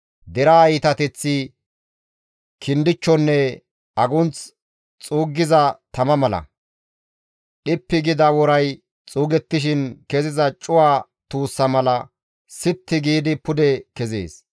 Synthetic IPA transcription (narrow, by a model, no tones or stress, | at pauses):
d̪ɛɾaːjɪt̪ɐt̪ɛt͡sːɪ | kʰɪnd̪ɪt͡ʃːɔnːɛ | ɐɡʊnt͡s | t͡sʼuːɡːɪzɐt̪ɐmɐmɐlɐ̰ | ɗɪpːɪɡɪd̪ɐwɔɾɐj | t͡sʼuːɡɛt̪ːɪʃ̬ɪnkɛzɪzɐt͡ʃʼʊwaː | t̪uːsːɐmɐlɐ | sɪt̪ːɪɡiːd̪ɪpʊd̪ɛkɛzḛːs